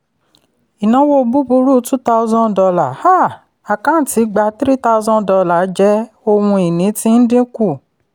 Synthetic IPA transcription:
i˨nã˨˦wo˧bu˦bu˧˦ɾu˦˨˦tũ˦ta˦˧u˧zɔ̃˦dɔ˧la˨ha˦˨ | a˨kã˦n̩˨ti˨˦ɡ͡ba˧˦tɾi˦ta˧u˧zɔ̃˦dɔ˧la˨˦d͡ʒɛ˦ | o˧wũ˧i˨nĩ˨˦tĩ˧˦n̩˦dĩ˦ku˦˨

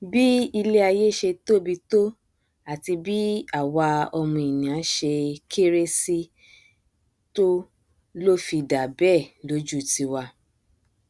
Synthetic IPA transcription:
bi˦i˧le˦a˧je˦ʃe˧to˦bi˧to˦ | a˨ti˧bi˦a˨wa˧ɔ˧mũ˧i˨nĩ˨a˨˦ʃe˧kʰe˦ɾe˦si˦ | to˦ | lo˦fi˧da˨bɛ˦˨lo˦d͡ʒu˦˨ti˧wa˧

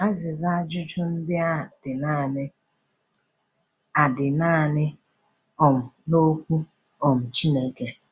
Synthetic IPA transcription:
a˦zɪ˨za˦d͡ʒʊ˦t͡ʃʊ˦n̩˦dɪ˦a˦d̥ɪ˨na˦˨nɪ˦ | a˨dɪ˨naː˦˨nɪ˦ | ɔ˨m̩˨no˦kʷu˦ | ɔ˨m̩˨t͡ʃi˦ne˦ke˨

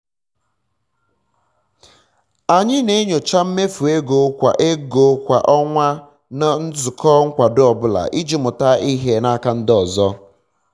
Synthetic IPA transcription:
a˨ɲɪ˦ne˦ɲo˨t͡ʃa˦m̩˦me˦fu˨e˦ɡo˨˦kʷa̰˨ʔe˦ɡo˨˦kʷa̰˨ʔɔ˦ŋʷa˦ | na˦n̩˦zʊ˨kʰɔː˦ŋ̩˦kʷa˨dʊ˦ɔ˨bʊ˦la̰˨ʔi˦d͡ʒi˦mʊ˨ta˦i˦ɦe˦na˦ka˦n̩˦dɔ˨zɔ˦

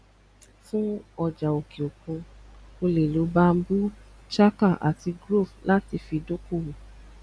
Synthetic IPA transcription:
fũ˦ɔ˦˨d͡ʒa˨o˨ki˨o˨kũ˧o˧le˨lo˨˦ba˦m̩˦bu˦t͡ʃa˦ka˦˨ʔa̰˨ti˧ɡɾo˦˨fla˦ti˧fi˧do˦ko˦˨wũ˨

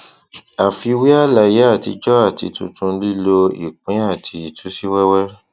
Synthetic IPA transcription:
a˨fi˧wi˦a˦la˧˨je˨˦a˦˨ti˧d͡ʒɔ˦a˦˨ti˧tṵ̃˧tʰũ˧˦li˦lo˧ḭ˦˨k͡pĩ˨˦a˦˨tʰi˨˧i˨tʰu˨˦si˦wɛ˦wɛ˦

